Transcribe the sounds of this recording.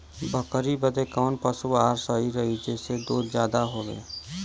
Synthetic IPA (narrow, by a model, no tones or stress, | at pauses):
bʱəkəɾibəd̪ekɔːnpəsuaːɾsəiɾəɦid͡ʒeːsed̪oːd̪d͡ʒjaːd̪aɦoːɡḛ̃ː